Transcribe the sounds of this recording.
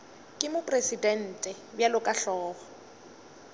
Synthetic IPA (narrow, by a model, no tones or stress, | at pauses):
kʼɪmʊpʼresidɛn̩ːtʼɛ | bjalʊkʼaɬɔːɣɔ